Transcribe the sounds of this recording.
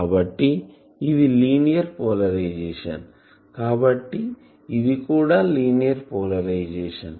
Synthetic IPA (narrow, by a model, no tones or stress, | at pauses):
abɐʈːi | iðiliːnijɐɾpoːlɐɾɐjd͡ʒeːʂɐ̰n | kaːbɐʈːi | iðikuːɽaliːnijɐɾpoːlɐɾɐjd͡ʒeːʂɐ̰n